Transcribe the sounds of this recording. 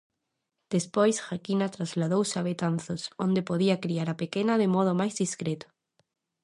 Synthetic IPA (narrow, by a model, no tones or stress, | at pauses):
d̪̥espojsxakinat̪ɾazlað̞owsaβet̪anθosõnd̪epoðiakɾiaɾapekenaðemɔð̞omajzðiskɾet̪o̥